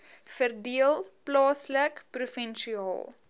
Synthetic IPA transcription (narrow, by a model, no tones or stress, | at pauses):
fərdiəlˠplɑːsləkprufɛnʃiɑ̰ːlˠ